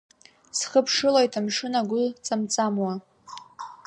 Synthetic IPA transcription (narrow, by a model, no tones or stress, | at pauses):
sχəpʰʂɨlajtʰamʂɨnaɡʷʊt͡sʼamt͡sʼamwa